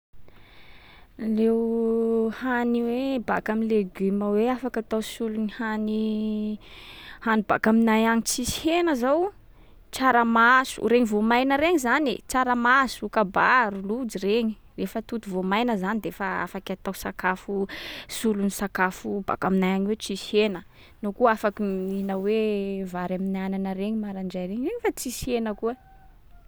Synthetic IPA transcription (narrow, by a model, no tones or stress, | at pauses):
lew | haniweba̰kamileɡyməweafakat̪awsulunihani | haniba̰kaminajaŋit͡sisi̥henəzaw | t͡saɾəmasṵɾeɲivomajnəɾeŋizanḛt͡saɾəmasukabaɾulud͡ʒiɾeɲi | refət̪ut̪uvomajnəzanid̪efəa̰fakʲat̪awsakafusulunisakafuba̰kaminajaɲiwet͡sisenə | nokuafakiinawevaɾaminananəɾeɲimaɾaɳd͡ʒajɾeɲreɲifat͡sisienəkuə